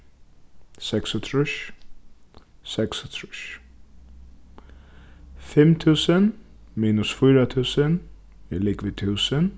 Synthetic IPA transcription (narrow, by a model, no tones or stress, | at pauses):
sɛksʊt̪ʰɾʊʃ | sɛksʊt̪ʰɹʊʃ | fɪmt̪ʰʉːsən | miːnʊsfʏːɾat̪ʰʉːsən | ɪlɪɡʋiːt̪ʰʉːsən